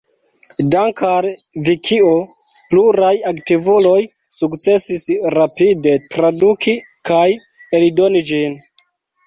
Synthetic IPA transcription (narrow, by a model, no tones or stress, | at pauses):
daŋkaɾvikʰiopluɾajaktivulo̞j | sukt͡se̞sisɾapide̞tɾadukʰi | kaj | elido̞nid͡ʒin